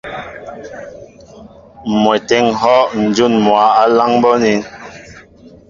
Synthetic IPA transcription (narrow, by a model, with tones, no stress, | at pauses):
mwɛ˨tɛ˦ŋɦɔ˦ʔn̩˨d͡ʒu˦˨nmwa˨˦a˦la˦ŋbɔ˦ni˨˦